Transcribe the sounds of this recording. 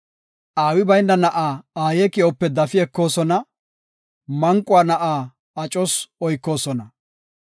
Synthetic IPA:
ʔaːwɪbɐjnːɐnɐʔaːaːjɛkɪɔpːɛd̪ɐfɪɛkːo̞ːsɔnɐ | mɐŋkʼːʊaːnɐʔaː | ɐt͡ʃʼɔsɔjkːo̞ːsɔnɐ

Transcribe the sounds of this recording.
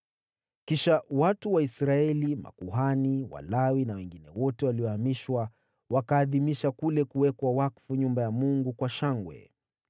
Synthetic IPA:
kiʃawatuwaisɾaɛlima̰kuɦaniwa̰lawinawɛŋɡinɛwɔtɛwaliɔhamiʃwa | wakaːðimiʃakulɛkuwɛkwawakfuɲumbajamuŋɡukwaʃaŋɡwɛ̰

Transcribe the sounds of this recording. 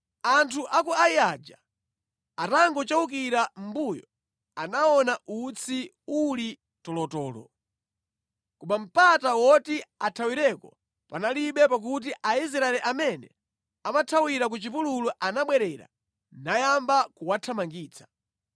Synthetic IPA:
antʰuʔakuaiad͡ʒa | ataŋɡɔt͡ʃauk̬iɾam̩bujɔ | anaɔnaʔut͡sʰi | uli | tɔlɔtɔːlɔ̰ | kumam̩patawɔtiatʰawiɾɛkɔ | panaliɓɛpak̬ut̬iʔais̬ɾaɛlɛʔamɛnɛ̰ | amatʰawiɾak̬ut͡ʃipululɔʔanaɓwɛɾɛɾa̰ | najambakuwatʰamaŋɡiːt͡sʰḁ

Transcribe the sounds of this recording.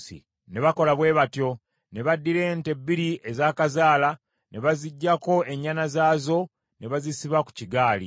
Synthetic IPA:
sḭ | ne̞βako̞laβwe̞ːβatjo̞ | ne̞βadːiɾe̞ːnte̞biɾiezaːkazaːla | ne̞βaziɟːako̞e̞ɲːanazaːzo̞ | ne̞βazisiβaku̥ciɡaːlḭ

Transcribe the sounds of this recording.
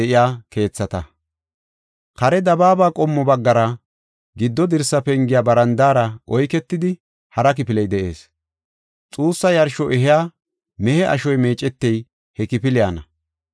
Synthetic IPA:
ɛʔɪjaːke̞ːt͡sːɐt̪ɐ | kɐɾɛd̪ɐbaːbaːkʼɔmːɔbɐɡːɐɾɐ | ɡɪd̪ːɔd̪ɪɾsɐpɛŋɡɪjaːbɐɾɐnd̪aːɾɐʔɔjkɛt̪ːɪd̪ɪ | hɐɾɐk̬ɪpɪlɛjd̪ɛʔe̞ːs | t͡sʼuːsːɐjɐɾʃɔʔɛɦɪjaː | mɛhɛʔɐ̰ʃɔjme̞ːt͡ʃʼːɛt̪ːɛj | hɛkɪpɪlɪjaːnɐ

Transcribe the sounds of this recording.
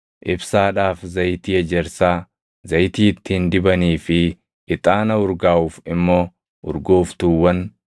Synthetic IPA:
ʔɪbsaːᶑaːfzɐjt̪iːɛd͡ʒɛɾsaː | zɐjt̪iːɪt̪ːihnd̪ɪbɐniːfɪ | ɪt̪ʼaːnɐʊɾɡaːʔuːfɪmːo̞ː | ʔʊ̰ɾɡo̞ːft̪uːwːɐn

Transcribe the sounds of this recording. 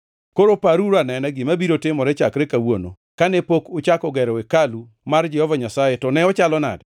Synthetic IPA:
koɾopaɾuɾanɛnɛɡɪmabiɾotɪmɔɾɛt͡ʃakɾɛkawono̰ | kanepokʊt͡ʃakɔɡɛɾɔekalu | mard͡ʒɛhɔvaɲasajetɔnɛɔt͡ʃalɔna̰d

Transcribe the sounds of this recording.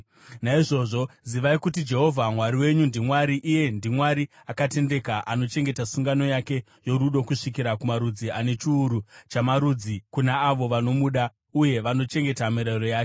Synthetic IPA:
naiʐo̞ʐo̞ziʋaikutid͡ʒe̞ɦo̞vʱamwaɾiwe̞ɲundimwaɾiʔije̞ndimwaɾi | akate̞nde̞kaʔano̞t͡ʃe̞ŋɡe̞tasuŋɡano̞jake̞ | jo̞ɾuɗo̞kuʂik̬iɾakumaɾud͡ziane̞t͡ʃiːɾut͡ʃamaɾud͡zikunaːʋo̞ʋano̞muɗa | uje̞ʋano̞t͡ʃe̞ŋɡe̞tamiɾeɾo̞jaːke

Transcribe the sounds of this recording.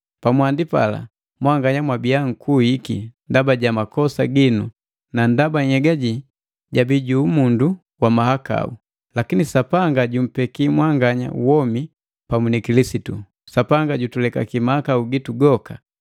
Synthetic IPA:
pamwandipa̰la̰ | mwaŋɡaɲamwabiaŋ̩kuhikḭndabaɟamakɔsaɡinu | nandabaɲhɛɡaɟi | ɟabiɟuːmundu | wamahaka̰u | lakinisapaŋɡaɟum̩pɛkimwaŋɡaɲa̰wɔmi | pamunikilisitu | sapaŋɡaɟutulɛka̰kimahakauɡituɡɔka

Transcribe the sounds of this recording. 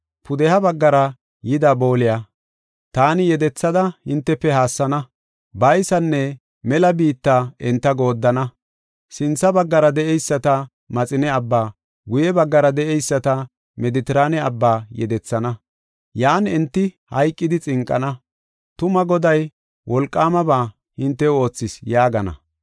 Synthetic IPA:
pʊd̪ɛhɐbɐɡːɐɾɐ | jɪd̪ɐbo̞ːlɪjɐ | t̪aːnɪjɛd̪ɛt͡sːɐd̪ɐhɪnt̪ːɛpːɛɦaːsːɐnɐ | bɐjsɐnːɛ | mɛlɐbiːt̪ːaɪnt̪ːɐɡo̞ːd̪ːɐnɐ | sɪnt͡sːɐbɐɡːɐɾɐd̪ɛʔɛjsːɐt̪ɐ | mɐt͡sʼɪnɛɐbːaː | ɡʊjɛbɐɡːɐɾɐd̪ɛʔɛjsːɐt̪ɐ | mɛd̪ɪt̪ɪɾaːnɛɐbːaːjɛ̰d̪ɛt͡sːɐnɐ | jaːnɪnt̪ːɪ | hɐjkʼːɪd̪ɪt͡sʼɪŋkʼːɐ̰nɐ | t̪ʊmɐɡɔd̪ɐj | wʔɔlkʼːaːmɐbaː | hɪnt̪ːɛo̞ːt͡sːɪsjaːɡɐnɐ̰

